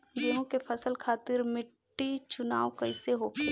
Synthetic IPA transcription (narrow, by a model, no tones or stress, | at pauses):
d͡ʒoːnõkepʰɐsəlkʰaːt̪ɪɾmɪʈːit͡ʃʊnaːwkɐɪseɦoke